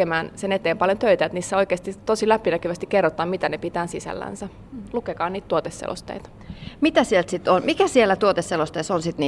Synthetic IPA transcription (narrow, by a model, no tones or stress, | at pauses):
emæːnsenet̪eːmpɑljont̪øit̪æet̪niːsːæoikeːst̪it̪osilæpːˑinækyʋæst̪ikerːot̪ɑːmmit̪ænepit̪æːnsisæ̰lːæ̰nsæ | lukekɑːnniːt̪t̪uot̪esːḛlo̰st̪ḛit̪ɑ̥ | mit̪æsielt̪sit̪ːonmikæsielːæt̪uot̪esːelost̪eˑsonsit̪niː